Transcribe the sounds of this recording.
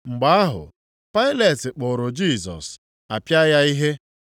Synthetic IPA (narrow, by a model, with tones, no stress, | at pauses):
ŋ͡m̩˨ɡ͡ba˨˦a˦ɦʊ̰˨ | pa˦ɪ˦le˨tɪ˨k͡pʊ˨ɾʊ˨d͡ʒi˦˨sɔ̰˨s | a˨pja˦ja˦i˦ɦe˦